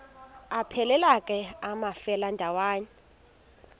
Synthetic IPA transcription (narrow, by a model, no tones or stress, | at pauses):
apʰɛlɛlakʼɛamafɛlandʱawaːɲɛ